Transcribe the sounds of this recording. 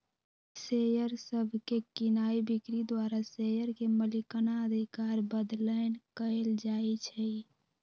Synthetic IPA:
sejəɾsəbʱkekinaibikɾid̪waɾasejəɾkeməlikənaəd̪ʱikaɾbəd̪lənkəeld͡ʒait͡ʃʰɛ

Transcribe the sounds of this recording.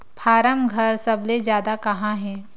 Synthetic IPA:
pʰaːɾəmɡʱɐɾsɐblezjaːd̪akɐɦãɦɛ̃ː

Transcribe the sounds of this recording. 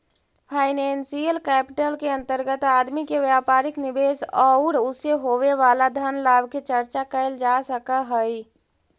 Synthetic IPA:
pʰaɪnɛnsijəlkɛpɪʈəlkeə̃nt̪əɾɡət̪ad̪mikeʋjapaːɾiknibesɔʊɾuseɦoʋeʋalad̪ʱənlabket͡ʃəɾt͡ʃakəɪld͡ʒasəkəɦəi

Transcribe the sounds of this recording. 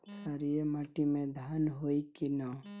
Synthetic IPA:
saɾieməʈimẽd̪ʱanɦoikinɔ

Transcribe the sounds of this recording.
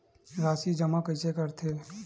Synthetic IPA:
ɾaːsid͡ʒəmakəsekəɾt̪ʰe

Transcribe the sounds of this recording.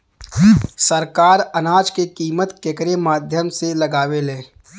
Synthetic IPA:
səɾkaːɾənaːd͡ʒkekiːmət̪kekəɾemaːd̪ʱjəmseləɡaːʋeleː

